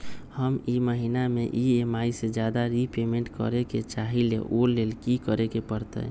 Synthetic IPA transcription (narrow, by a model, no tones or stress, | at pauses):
həmiməɦinameʔiemaised͡ʒjad̪aɾipemẽɳʈkə̰ɾeket͡ʃaɦilḛʔolelkikəɾekepəɾt̪ə̰